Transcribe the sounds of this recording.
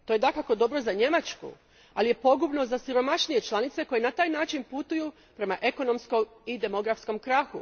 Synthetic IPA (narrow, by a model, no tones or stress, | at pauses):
t̪oje̞d̪akako̞d̪o̞bɾo̞zaɲe̞mat͡ʃkṵ | alije̞po̞ɡubno̞zasiɾo̞maʃnije̞t͡ʃlˠanit̪se̞ko̞je̞nat̪aːjnaːt͡ʃinput̪uju | pɾe̞maʔe̞ko̞no̞msko̞mid̪e̞mo̞ɡɾafsko̞mkɾaxu